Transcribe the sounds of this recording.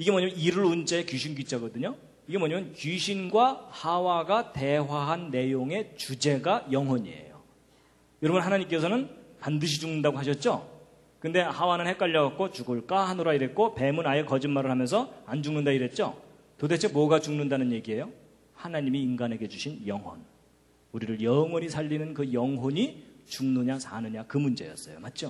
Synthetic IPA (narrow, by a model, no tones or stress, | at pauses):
iɡe̞moʌɲamjʌniɾɯɭunt͡ɕaekjiɕʰinɡit͡ɕ͈aɡʌdɯɲo | iɡe̞mwʌɲamjʌnkiɕʰinɡwahawaɡate̞ɦwaɦanːe̞joŋe̞t͡ɕud͡ʑe̞ɡajʌŋɦʌɲiḛjo | jʌɾʌbɯnɦanaɲimk͈e̞s̬ʰʌnɯnpandɯɕ̬ʰid͡ʑuŋnɯndaɡoɦaɕ̬ʰʌt̚t͡ɕ͈o | kɯnde̞hawanɯnhe̞k͈aʎːʌɡat̚k͈ot͡ɕuɡɯɭk͈ahanɯɾaiɾe̞t̚k͈ope̞munaekʌd͡ʑinmaɾɯɭhamjʌnsʰʌand͡ʑuŋnɯndaiɾe̞t̚t͡ɕ͈o̰ | tode̞t͡ɕʰe̞mwʌɡat͡ɕuŋnɯndanɯnje̞ɡiɦe̞jo | hanaɲimiːnɡanɦe̞ɡe̞t͡ɕuɕʰinjʌŋɦwʌ̰n | uɾiɾɯɭjʌŋwʌɲisʰaʎːinɯnkɯjʌŋɦoɲit͡ɕuŋnɯɲasʰanɯɲakɯmund͡ʑe̞̰jʌ̰s͈ʌjomat̚t͡ɕ͈o